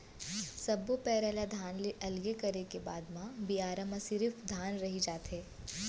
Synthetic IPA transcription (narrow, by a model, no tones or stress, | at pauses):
sɐbopɛːɾɛːlad̪ʱaːnleʔɐlɡekɐɾekebaːd̪mãbiaːɾəməsɪɾɪfd̪ʱaːnɾɐɦid͡ʒaːt̪eː